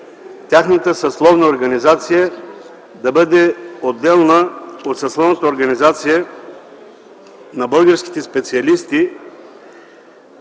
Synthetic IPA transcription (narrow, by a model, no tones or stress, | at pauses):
t̪ʲaxnət̪əsɐslˠɔvnəoɾɡɐnizat̪sijə | d̪ɐbəd̪ɛod̪ːɛlˠnəot̪sɐslˠɔvnət̪əoɾɡɐnizat̪sijə | nɐbɤlˠɡəɾskʲi̥t̪ɛspɛt̪siɐlist̪i